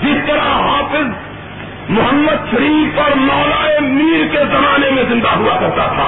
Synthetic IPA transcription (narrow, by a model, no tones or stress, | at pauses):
d͡ʒɪst̪əɾaɦapʰɪz | mʊɦəmːəd̪ʃəɾipəɾmɔːlaemiɾked͡ʒəmaːnemẽzĩnd̪aɦuakɐɾt̪a̰t̪ʰa̰